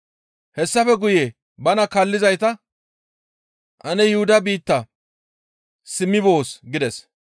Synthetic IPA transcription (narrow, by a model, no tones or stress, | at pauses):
hɛsːɐfɛɡʊjeː | bɐnɐkɐlːɪzɐjt̪ɐ | ʔɐnɛjɪhʊd̪ɐbiːt̪ːɐ | sɪmːɪbo̞ːsɡɪd̪ɛs